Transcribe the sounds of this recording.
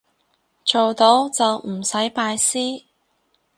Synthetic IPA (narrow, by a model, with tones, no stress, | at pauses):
t͡ʃo˨wt̪o˨˥wt͡sɐ˨wm̩˨˩sɐ˨˥jpaː˧jsiː˥